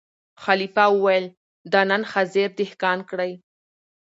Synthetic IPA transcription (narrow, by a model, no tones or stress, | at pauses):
xalifɑwəwajəl | d̪ɑnanxazeɾd̪ɪhkɑnkɽəj